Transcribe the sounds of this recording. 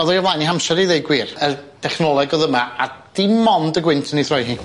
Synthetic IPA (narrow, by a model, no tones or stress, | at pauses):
ɔðɔjavlˠajniɦamʃɛɾeðejɡwirərd̥ʰɛχnɔlˠɛɡɔðəmaad̥imɔndəɡwɪntʰəniθrɔjɦiː